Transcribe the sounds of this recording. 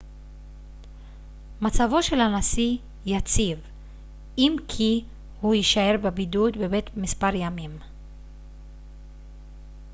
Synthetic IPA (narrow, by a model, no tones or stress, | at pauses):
mat͡savo̞ʃe̞lanasi | jat͡siv | imkʰi | huiʃae̞ʁbebidut̪bebe̞t̪mispaʁjamim